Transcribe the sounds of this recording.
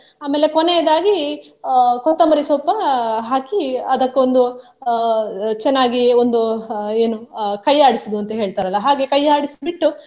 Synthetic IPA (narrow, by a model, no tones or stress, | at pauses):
aːmeːlːe̞konejɐd̪aːɡi | kɔt̪ːɐmɐɾisɔːpːɐɦaːkiɐd̪ɐkːeond̪u | t͡ʃɛnːaːɡiond̪ue̞ːnukɐjaːɽisɐd̪uɐnt̪ɐɦe̞ːɭt̪aːɾɐlːɐɦaːɡe̞kɐjaːɽisibiʈːu